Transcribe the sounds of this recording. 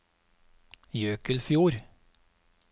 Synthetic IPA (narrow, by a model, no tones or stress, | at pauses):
jøːkəlfjuːɾ